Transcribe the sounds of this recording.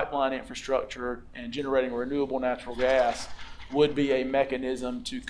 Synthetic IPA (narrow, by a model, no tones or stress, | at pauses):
ɪʔˡlãɪ̃ñɪ̃ɱfɹɨstɹ̥ʌk̚t͡ʃə˞ʔɨ̃nd͡ʒɛnə˞eɪɾɪ̃ŋɹɨnʉəbl̩ˠnæt͡ʃɹl̩ˠɡæswəd̚biɨmɛkɨnɪzə̃mtʰɨkʰ